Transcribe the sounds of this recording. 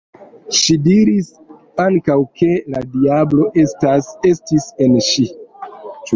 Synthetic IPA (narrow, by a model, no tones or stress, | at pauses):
ʃidiɾis | aŋkawkʰe̞ladiablo̞ʔesasestise̞nʃi | t͡ʃ